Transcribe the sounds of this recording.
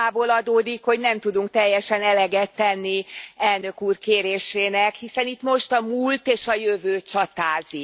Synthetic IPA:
aːboːlɒd̪oːd̪ikho̞ɟnɛmt̪ud̪uŋk̚t̪ɛjːɛʃɛnɛlɛɡɛt̪ːɛnːiɛlnøkuːrkeːɾeːʃeːnɛkhisɛnit̪mo̞ʃt̪ɒmult̪eːʃɒjøvøːt͡ʃɒt̪aːzi

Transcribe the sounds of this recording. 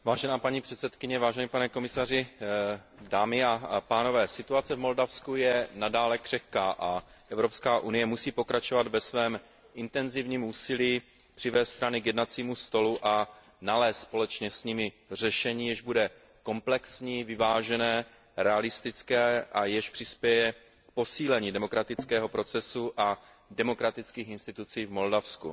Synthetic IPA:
vaːʒɛnaːpaɲipr̥ɛt̪sɛt̪kɪɲɛvaːʒɛnipanɛko̞mɪsar̝ɪ | daːmɪapaːno̞vɛːsɪt̪uat͡sɛvmo̞ldafskujɛnadaːlɛkr̝̥ɛxkaːʔa | ʔɛvɾo̞pskaːʔunɪjɛmusiːpo̞kɾat͡ʃo̞vad̪vɛsvɛːm | ʔɪnt̪ɛnzɪvɲiːmuːsɪliː | pr̥ɪvɛːst̪st̪ɾanɪkjɛdnat͡siːmust̪o̞luʔa | nalɛːst̪spo̞lɛt͡ʃɲɛsɲɪmɪ | r̝ɛʃɛɲiːjɛʒbudɛ | ko̞mplɛksɲiːvɪvaːʒɛnɛː | ɾɛalɪst̪ɪt͡skɛːʔajɛʃpr̥ɪspjɛjɛ | k̚po̞siːlɛɲiːdɛmo̞kɾat̪ɪt͡skɛːɦo̞pɾo̞t͡sɛsuʔa | dɛmo̞kɾat̪ɪt͡skiːxɪnst̪ɪt̪ut͡siːvmo̞ldafskṵ

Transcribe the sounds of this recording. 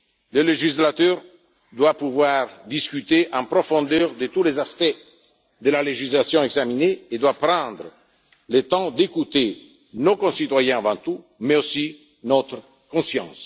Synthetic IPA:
ləleʒislat̪œʁ | d̪wapuvwaʁd̪iskyt̪eʔɑ̃mpɾofɔ̃nd̪œːʁd̪ət̪ulezaspɛ | d̪əlaleʒislasjɔ̃ɛɡzamineːd̪wapɾɑ̃d̪ɾə | let̪ɑ̃d̪ekut̪e | nokõsit̪wajɛ̃avɑ̃nt̪u | meosi | not̪ɾə | kõsjɑ̰̃ːs

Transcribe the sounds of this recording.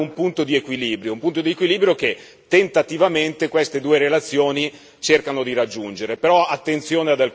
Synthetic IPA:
umpunt̪od̪iekwiliːbɾjoumpunt̪od̪iekwiliːbɾjoke | t̪ːent̪at̪ivament̪ekwest̪ed̪uːeɾelat̪sːjoːni | t͡ʃerkanod̪iɾad͡ʒːund͡ʒeɾepeɾɔat̪ːent̪sjoːnead̪al

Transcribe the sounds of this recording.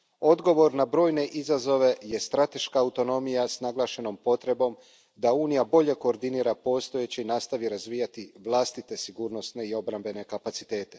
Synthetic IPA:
o̞d̪ɡo̞ʋo̞ɾnabɾo̞ːjne̞ʔizazo̞ʋe̞je̞st̪ɾat̪e̞ʃkaːut̪o̞no̞mijasnaɡlˠaːʃe̞no̞mpo̞t̪ɾe̞bo̞m | d̪auːnijabo̞ʎe̞ko̞ːɾd̪iniːɾapo̞st̪o̞jet͡ɕeinast̪aʋiɾazʋiːjat̪iʋlˠaːst̪it̪e̞siɡuːɾno̞sne̞io̞bɾambe̞ne̞kapat̪sit̪e̞ːt̪e̞̥

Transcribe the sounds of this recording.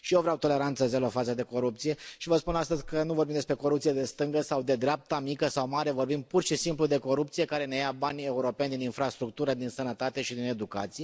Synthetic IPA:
ʃijevɾeawt̪o̞le̞ɾant̪səzelofat̪səd̪e̞ko̞ɾup̚t̪sije̞ʃivəspunast̪əzʲkənuvorbimd̪espɾe̞ko̞ɾupt̪sijed̪e̞st̪ɨŋɡəsawd̪e̞d̪ɾeap̚t̪amikəsawmaɾe̞vo̞rbimpurʃisimplud̪e̞ko̞ɾupt̪sije̞kaɾe̞nejabanʲe̞uɾo̞pe̞nʲd̪ininfɾast̪ɾuk̚t̪uɾəd̪insənət̪at̪e̞ʃid̪ine̞d̪uka̰t̪sije̞

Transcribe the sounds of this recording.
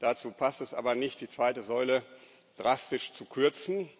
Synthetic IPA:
d̥at͡suːpʰastɛsʔa̰ːbɐnɪçt̚d̥iːt͡sv̥aɪtəzɔʏlə | d̥ʁastɪʃt͡sukʰʏɐt͡sn̩

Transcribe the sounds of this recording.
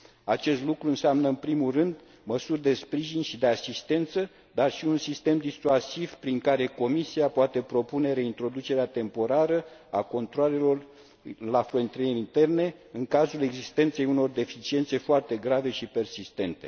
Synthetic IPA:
at͡ʃe̞st̪lukɾuɨnseamnəɨnpɾimulrɨnd̪ | məsurʲd̪e̞spɾiʒinʃid̪e̞asist̪e̞nt̪sə | d̪arʃiunsist̪e̞md̪isuasivpɾiŋkaɾe̞ko̞misiapoat̪e̞pɾo̞pune̞ɾe̞int̪ɾo̞d̪ut͡ʃe̞ɾeat̪e̞mpo̞ɾaɾəa̰ko̞nt̪ɾoale̞lo̞r | lafɾont̪iɾeɾint̪e̞rne̞ɨŋkazule̞ɡzist̪e̞nt̪se̞juno̞rd̪e̞fit͡ʃie̞nt̪se̞foart̪e̞ɡɾave̞ʃipe̞rsist̪e̞nt̪e̞

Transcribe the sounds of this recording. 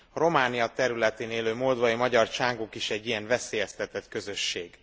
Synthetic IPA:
ɒɾo̞maːnijɒt̪ɛɾylɛt̪eːneːløːmold̪vɒimɒɟɒrt͡ʃaːŋɡokiʃɛɟːijɛɱvɛseːjɛst̪ɛt̪ɛt̪kø̞zø̞ʃːeːɡ

